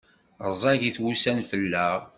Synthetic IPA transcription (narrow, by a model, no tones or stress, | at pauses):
əzˤɑʝiθwusænfəlːæʁ